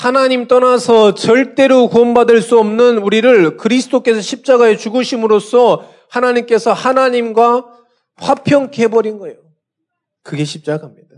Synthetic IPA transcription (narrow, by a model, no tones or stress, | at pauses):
hanaɲimt͈ʌnasʰʌt͡ɕʌɭt͈e̞ɾokuʌmbadɯɭs͈uʌmnɯnuɾiɾɯɭkɯɾisʰɯ̥tʰok͈e̞sʰʌɕʰip̚t͡ɕ͈aɡae̞t͡ɕuɡɯɕʰimɯɾosʰʌ | hanaɲimk͈e̞sʰʌhanaɲimɡwa | ɸwapʰjʌŋkebʌɾinɡʌejo | kɯɡe̞ɕʰip̚t͡ɕ͈aɡaɦamɲida